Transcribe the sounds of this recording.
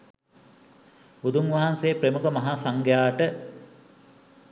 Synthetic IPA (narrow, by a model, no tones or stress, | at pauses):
bud̪uŋʋaɦanseːpremukəmɐɦaːsaŋɡjaːʈə